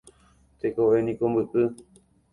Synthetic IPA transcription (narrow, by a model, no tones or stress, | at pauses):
t̪ekoʔenĩkombɨʔɨ